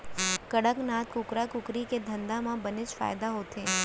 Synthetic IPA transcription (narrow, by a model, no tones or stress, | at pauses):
kəɽəknat̪kʊkɾakʊkɾiked̪ʱənd̪amãbənɪt͡ʃfa̰ːjd̪aɦot̪ʰe